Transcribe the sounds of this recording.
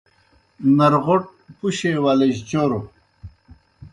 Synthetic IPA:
nɐɾʁoʈ̚puɕewaleʑt͡ɕoɾo

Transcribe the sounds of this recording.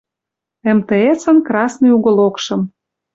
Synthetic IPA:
emt̪eet͡sə̆nkrɑsnɨjuɣŏlokʃɤ̆m

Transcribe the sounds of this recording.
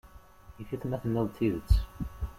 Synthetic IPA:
iθiθnæθənːəðˤt̪ːiðət͡sː

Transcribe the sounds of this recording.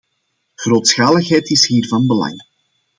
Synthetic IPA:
ɣroːtsxaːləxɦɛjtɪsɦiːrvɑnbəlɑ̰ŋ

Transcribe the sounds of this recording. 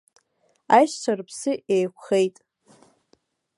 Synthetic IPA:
ajʃt͡ʃʰarpʰsɨʔejkʷʰχejtʼ

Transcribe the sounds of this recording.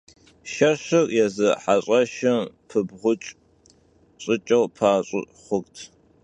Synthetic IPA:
ʃɐɕɪrjɛzɨħaɕʼɐʃɐm | pʰɨbʁʷʊt͡ʃʼ | ɕʼɪt͡ʃʼɐwpʰaːɕʼɪ̰ | χʷʊkʼtʰ

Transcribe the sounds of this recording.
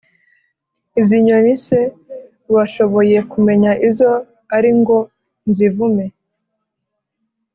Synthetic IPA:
iziɲonise | waʃo̞βo̞je̞kume̞ɲaʔizo̞ | aɾiŋɡo̞ | nzivume̞

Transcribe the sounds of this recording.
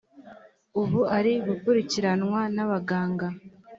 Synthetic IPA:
uβuaɾiɡukuɾiciɾanŋwanaβaɡaːŋɡa

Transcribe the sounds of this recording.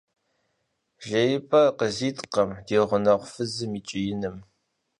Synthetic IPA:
ʒɐjɪpʼɐqəziːtʼqɐmdeːʁʷʊnɐʁʷʊfɨzɨmiːt͡ʃʼɪjɪnɨm

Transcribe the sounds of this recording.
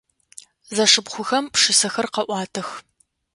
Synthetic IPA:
zɐʂɨbχʷʊxɐmpʂɨsɐxɐrqɐʔʷɑːtʰɐx

